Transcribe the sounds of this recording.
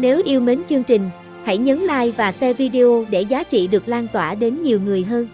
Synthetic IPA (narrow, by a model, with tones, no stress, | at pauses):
ne˨˦wʔi˧əwme˨˦nt͡ɕɨ˧əŋt͡ɕï˨˩ŋ̟ | ha̰˧˩jɲə˨˦nla̰ː˧˨jvaː˨˩sɛ˧vi˧ɗe˧ʔo˧ɗe˧˩zaː˨˦t͡ɕḭ˧˨ɗɨ˨˩ək̚laː˧nt̪waː˧˩ɗe˨˦nɲi˨˩wŋɨ˨˩əjɦəː˧n